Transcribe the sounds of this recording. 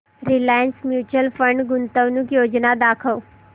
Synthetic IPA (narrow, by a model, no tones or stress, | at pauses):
ɾilaːjənsmjuːt͡ʃəlfə̃ɳɖɡʊnt̪əʋnũkjoːd͡ʒnad̪aːkʰəw